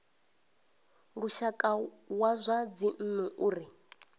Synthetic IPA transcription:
ɺuʃakʼa | wazʷad͡zin̩nuʔuːɾi

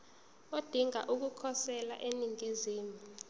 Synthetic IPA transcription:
od̥ʱiŋa̰ʔuk̬ukʰɔsɛla̰ʔeniŋʱiziːmu

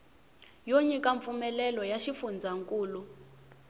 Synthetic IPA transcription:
joɲikaɱp̪fumɛlɛlɔjaʃifund͡zʱaŋkʼuːlu

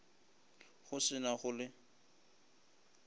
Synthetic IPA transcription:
χʊsɪnaχʊlɪ

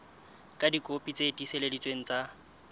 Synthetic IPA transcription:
kʼadikʼopʼit͡sʼetʼiseledit͡sʼweŋ̩t͡sʼa

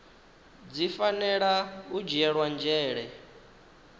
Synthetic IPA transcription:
d͡zifanɛɺaud͡ʒɛɺwand͡ʒɛːɺɛ

